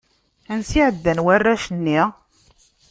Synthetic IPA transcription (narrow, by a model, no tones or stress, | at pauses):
ænsiʕəd̪ːænwarːæʃənːi